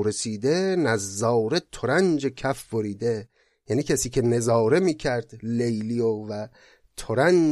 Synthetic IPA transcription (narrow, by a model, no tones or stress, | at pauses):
ɾe̞siːd̪enæzːɒːwɾet̪ʰoɾænd͡ʒekʰæfboɾiːd̪e | jæːniːcʰæsiːcʰe̞ne̞zɒːɾe̞miːcʰæɾd̪lejliovæ | t̪ʰoɾæn